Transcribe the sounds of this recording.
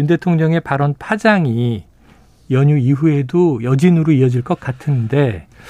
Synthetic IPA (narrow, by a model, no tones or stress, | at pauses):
unde̞tʰoŋɲʌŋe̞paɾʌnpʰad͡ʑaŋi | jʌɲuiɸue̞dojʌd͡ʑinɯɾoiʌd͡ʑiɭk͈ʌk̚k͈atʰɯnde̞